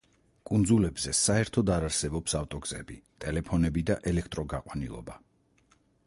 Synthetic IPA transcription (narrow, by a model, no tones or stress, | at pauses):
kʼund̪zulɛbzɛsaɛɾt̪ʰɔd̪aɾaɾsɛbɔpsaft̪ʼɔɡz̥ɛ̰bit̪ʼɛlɛpʰɔnɛbid̪aʔɛlɛkʰt̪ʼɾɔɡaqʼwanilˠɔ̰ba